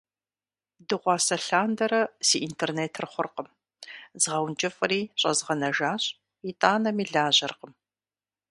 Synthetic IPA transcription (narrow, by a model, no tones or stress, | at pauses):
dɨʁʷɑːsɐɬaːndɐɾɐsiːʔintʰerneːtʰrχʷʊrqəm | zʁɐwnd͡ʒʼɪfʼɨriːɕʼɐ̰zʁɐnɐʒaːɕʼ | itʼaːnɐmiːɮaːʑɐrqəm